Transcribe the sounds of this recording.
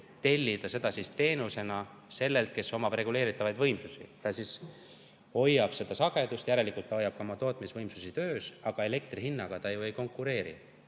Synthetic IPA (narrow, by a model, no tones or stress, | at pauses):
t̪e̞lʲːid̪̥ɑse̞d̪̥ɑsist̪e̞ːnuse̞nɑ | se̞lːe̞lt̪̚ke̞so̞mɑbrɾe̞ɡule̞ːɾit̪ːˑɑvɑjd̪vɤjmsusḭt̪ɑsis | ho̞jːɑb̥se̞d̪̥ɑsɑɡ̥e̞d̪̥ust̪jæɾe̞likult̪ːɑhojːɑb̥̚kɑomɑt̪o̞ːt̪ˑmisvɤjmsusit̪ø̞ːsɑɡ̥ɑe̞le̞k̚t̪riɦinːɑɡ̥ɑt̪ɑjuejko̞ŋkːuɾe̞ːɾḭ